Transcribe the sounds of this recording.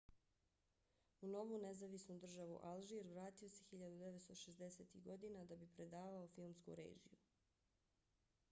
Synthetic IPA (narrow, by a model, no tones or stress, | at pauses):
uno̞ʋunezaʋisnud̪r̩ʒaʋṵʔalʒiɾʋɾaːt̪io̞se̞xiʎad̪ud̪eʋet̪st̪oʃezd̪e̞se̞ːt̪iɣɡo̞d̪iːnad̪abipɾe̞d̪aːʋaofilˠmskṵɾḛːʒḭju